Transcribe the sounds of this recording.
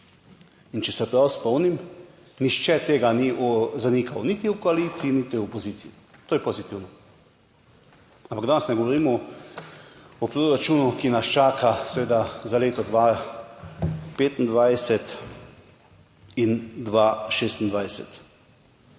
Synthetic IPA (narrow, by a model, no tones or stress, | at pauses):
int͡ʃɛsɛpɾawspɔwnim | niʃt͡ʃɛt̪eːɡaniʔɔzanikʰawnit̪iukɔalisiinit̪iɔpɔziːt̪sii | t̪oːjɛpozit̪iwnɔ | ãmpaɡd̪aːnɛsnɛɡoɔʋɔɾiːmɔ | ɔpɾoɾat͡ʃuːnukinast͡ʃaːkʰasɛʋeːd̪azaleːt̪ɔd̪ʋa | peːt̪n̩d̪ʋajsɛt̪ | ind̪ʋaʃeːst̪n̩d̪ʋajsɛ̰t̪